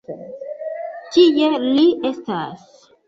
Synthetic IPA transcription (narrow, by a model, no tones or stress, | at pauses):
t͡ʃijeliʔestas